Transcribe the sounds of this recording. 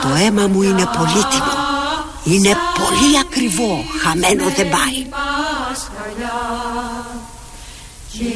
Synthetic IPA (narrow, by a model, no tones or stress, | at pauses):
to̞e̞mamuine̞politino | ine̞poliakɾivo̞hamenoðebai